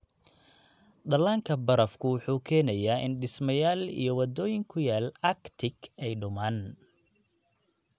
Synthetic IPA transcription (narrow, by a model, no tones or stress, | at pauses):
ɖɐlaːŋkʰɐbɐɾɐfkʰʊwʊħuːkʰɛːnɐjaːʔɪ̰nɖɪsmɐjaːlḭjɞwɐd̪ɔːjɪŋkʰʊjaːlɐkt̪ʰɪɡɛjɖʊmaːn